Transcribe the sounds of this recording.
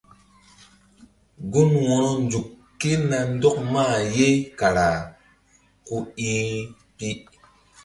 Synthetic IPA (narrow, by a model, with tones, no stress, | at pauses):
ɡu˦nwɔ˨nɔ˦nd͡ʒu˨kː | e˦na˨n˦dɔ˦k̚ma˦˨je˦ka˨ɾa˨ | ku˦i˦ | pi˦